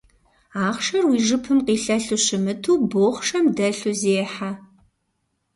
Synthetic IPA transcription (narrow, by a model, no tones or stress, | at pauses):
aːχʂɐrwiːʒɨpʰɨmqiːɬɐɬuɕɪmɨtʰuːboːχʂɐmdɐɬuzeːħa